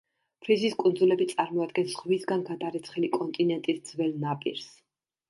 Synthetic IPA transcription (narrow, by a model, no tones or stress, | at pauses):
pʰɾiziskʼund̪zulɛbit̪sʼaɾmɔad̪̚ɡɛnsʁvisɡanɡad̪aɾɛt̪sʰχɛlikʼɔnt̪ʼinɛnt̪ʼisd̪z̥wɛlnapʼiɾs